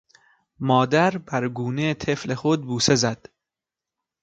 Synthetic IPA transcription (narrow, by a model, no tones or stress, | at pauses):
mɒːd̪æɾbæɾɡuːnet̪ʰeflexod̪̚buːse̞zæd̪̥